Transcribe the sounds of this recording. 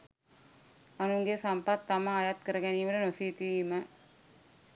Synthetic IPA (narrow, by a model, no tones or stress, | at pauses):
ɐnuŋɡesɐmpɐt̪ːɐmɐːjɐt̪̚kəɾɐɡɛniːmɐɾɐnosit̪imə